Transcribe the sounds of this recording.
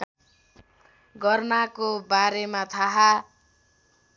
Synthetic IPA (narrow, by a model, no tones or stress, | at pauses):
ɡʌrnakobaɾemat̪ʰaɦa